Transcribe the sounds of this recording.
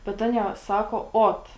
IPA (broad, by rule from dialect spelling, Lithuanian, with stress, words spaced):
bʲɛt ˈɑːnʲiɛ ˈsɑːkoː ˈoːt